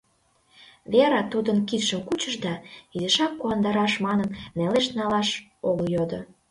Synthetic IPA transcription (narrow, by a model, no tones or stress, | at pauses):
βeɾɑt̪ud̪ə̆nkit̪ʃəmkut͡ɕəʒd̪ɑid̪ə̆ʃɑkːuɑnd̪ɑɾɑʃmɑnə̆nneleʃnɑlɑʃoljod̪o